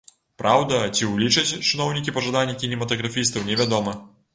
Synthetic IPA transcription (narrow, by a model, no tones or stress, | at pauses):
pɾʔawd̪ɐt͡sʲiwlʲit͡ʂɐt͡sʲt͡ʂɨnɔwnʲikʲipɐʐad̪anʲːɐkʲinʲɛmɐt̪ɐɣɾafʲist̪ɐwnʲɛvʲad̪ɔmɐ